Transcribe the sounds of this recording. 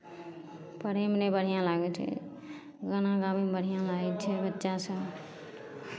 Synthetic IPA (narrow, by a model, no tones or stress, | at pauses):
pəɾemnebəɽ̤ijãlaɡet͡ʃʰɛ̰ | ɡənãɡamibəɽ̤ijãlaɡɛt͡ʃʰɛbətːʃasə̃